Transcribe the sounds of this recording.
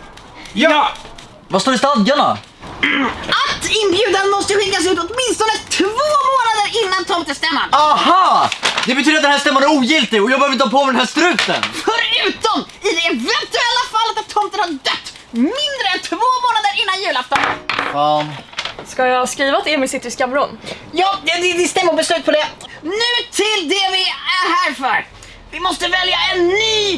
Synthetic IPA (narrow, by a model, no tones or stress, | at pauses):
j | vast̪oːɾɪst̪ad̪ɡaɳa̰ | ʔat̪ːɪnbjʉ̟ːd̪anmɔst̪əɧɪŋːas̬ɛɵpːɔt̪mɪnst̪ɔnət̪ʰvoːmoːnad̪əɾɪnːant̪ʰɔmt̪əst̪ɛmːa̰nahɑːd̪ɛbɛt̪yd̪ɾat̪̚ɛnhæːst̪ɛmːanæɾuːjɪlt̪ɪɡɔjaɡbœːvɾɪəhɑːpʰɔmɛd̪ɛnɦæːʂt̪ɾʉ̟ːt̪ə̰nfœɾʉːt̪ɔm | ɪd̪ɛːvɛnt̪ɵɛlːafalːat̪at̪ʰːɔnt̪ənhɑɖœt̪ː | mɪnd̪ɾəɛnt̪ʰvoːmoːnad̪əɾɪnːanjʉ̟ːlaft̪ɔnə̰n | skajahɑskɾiːvat̪ɛːmɪsɪt̪ːəɾɪskamɾɔn | jɑːɛd̪ɛd̪ɪst̪ɛmːəbɛslʉ̟ːt̪pʰɔd̪ɛnʉ̟ːt̪ʰɪld̪ɛvɪæhæːɾfœɾ | vɪmɔst̪əvɛljaɛnːyː